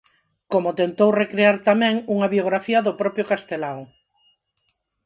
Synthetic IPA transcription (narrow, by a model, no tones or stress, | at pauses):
komʊt̪ent̪owrekɾeaɾt̪amɛ̃ŋuŋaβjoɣɾafiɐðʊpɾɔpjʊkast̪elaw